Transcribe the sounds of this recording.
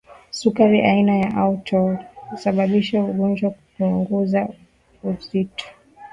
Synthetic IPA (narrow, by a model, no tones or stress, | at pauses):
sukaɾiʔainajaʔautʰɔisaɓaɓiʃauɠɔnd͡ʒwakupuŋɡɔza | uzitɔ̥